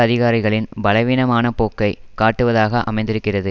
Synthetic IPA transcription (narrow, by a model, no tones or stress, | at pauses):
ɐðɪɣaːɾɪɣɐɭɪnbɐlɐɪʋiːnɐmaːnɐpoːkːɐɪkaːʈːɯʋɐðaːɣɐʔɐ̰mɐɪnd̪ɪɾɯkːɪrɐðɯ